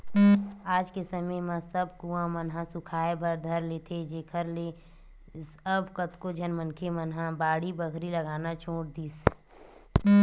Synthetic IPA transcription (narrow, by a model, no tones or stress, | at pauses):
aːd͡ʒkesəməjmə̃səbkuãmənɦãsʊkʰaːebəɾd̪ʱəɾleːt̪ʰed͡ʒeːkʰəɾle | səbkət̪kod͡ʒʱənmənkʰemənɦãbaːɽibəkʰɾiləɡaːnat͡ʃʰõːʈ̚d̪iːs